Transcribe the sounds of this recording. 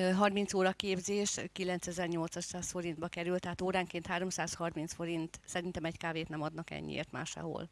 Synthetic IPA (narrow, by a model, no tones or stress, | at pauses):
ɦɒrmint̪soːɾɒkeːbzeːʃkilɛnsɛzɛrɲo̞lt̪sɒʃsaːsfo̞ɾind̪bɒkɛɾylt̪ɛɦat̪oːɾaːŋkeːnhaːɾo̞msaːshɒrmint̪sfo̞ɾint̪sɛɾint̪ɛmɛɟkaːveːt̪nɛmɒd̪nɒkɛ̰ɲːḭḛːrt̪ma̰ːʃɒ̰ɦo̰l